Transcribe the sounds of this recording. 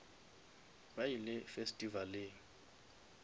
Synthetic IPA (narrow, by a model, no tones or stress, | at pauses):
bajilɪfestʼivalɪ